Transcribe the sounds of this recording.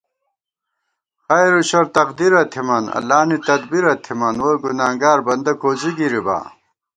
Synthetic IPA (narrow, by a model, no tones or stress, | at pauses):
xɐjɾuɕɐɾt̪ɐqd̪iɾɐt̪ʰimɐnɐ̰laːnit̪ɐd̪biɾɐt̪ʰimɐnwɐɡunaːŋɡaːɾbɐnd̪ɐkoːziɡiɾiba̰ː